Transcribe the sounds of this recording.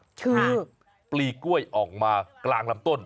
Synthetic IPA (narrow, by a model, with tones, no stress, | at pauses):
kʰɯː˧ | pliː˨˩ku˥˩əjʔɔː˨˩k̚maː˧klaː˧ŋla˧˥mt̪o˥˩n